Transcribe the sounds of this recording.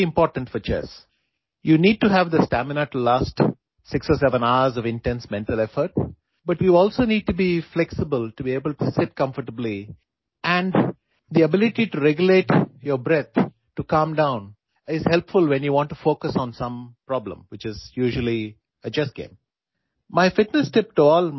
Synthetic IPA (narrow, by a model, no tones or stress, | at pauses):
ɪ̃mpɔːɾʈə̃ɳfɔt͡ʃɛ̰s | juniːɖ̚ʈuɦæʋd̪əsʈæmɪnəʈlaːsʈ | sɪksɔːsɛʋə̃naʊəɾzɔʋɪ̃nʈɛ̃nsmɛ̃nɳʈəlɛfəɾʈ̚ | bʌʈʋiɔːlsoːniːɖ̚ʈubiflɛksɪbəlʈubieːbəlʈusɪʈ̚kʌ̃mfəʈəbli | æ̃ɳɖ | d̪iəbɪlɪʈiʈuɾɛɡjʊleːʈjəɾbɾɛt̪ʰ | ʈukʌ̃mɖãʊ̃n | ɪzhɛlpfʊlʋɛ̃njuʋɔ̃ɳʈːufoːkəsɔ̃nsʌ̃mpɾɔblə̰̃mwɪt͡ʃɪzjuːʒəli | əd͡ʒʌsɡ̥ḛ̃ːm | maɪfɪʈnəsʈɪp̚ʈuɔːl